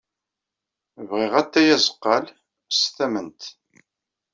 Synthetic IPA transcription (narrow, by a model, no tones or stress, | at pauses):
vʁɪʁæt̪ːæjæzə̥qːɑl | sθæmənt̪